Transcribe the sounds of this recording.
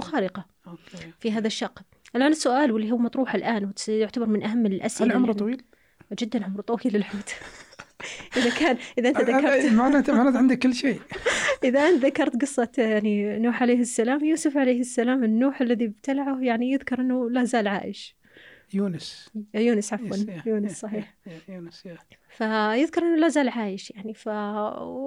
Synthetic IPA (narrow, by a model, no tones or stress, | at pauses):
xaːɾɪqɑ | okfiɦaːðaʃːɑqː | ʔalʔaːnɪsːʊʔaːlwɪlːiɦʊwːmɑt̪ˤɾuːħalʔaːnwɪt̪jʊʕt̪abɑɾˤmɪnʔaɦamːɪlʔa̰saʕʊmɾt̪ˤɑwiːl | d͡ʒɪd̪ːanʕʊmɾt̪ˤɑwiːlːɪlħʊːt̪ | ʔɪðakaːnʔɪðaʔɪnt̪aðakːɑɾmaat̪anaːt̪ʕɪnd̪ɪkːɪlːʃeːʔɪðaʔɪnt̪ðakɑɾˤt̪ɡɨsˤːɑt̪jaʕninuːħʕaleːhɪsːalaːmjuːsʊfʕalejːhɪsːalaːmɪnːuːħalːaðiɪb̚t̪alaʕʊhjaʕnijɪðkɑɾˤʔɪnːʊlazaːlʕa̰ːʔɪʃ | juːnɪsjuːnɪsʕafwanjuːnɪssˤɑħiːħsfajɪðkɑɾˤʔɪnːʊlazaːlʕaːjɪʃjaʕnifa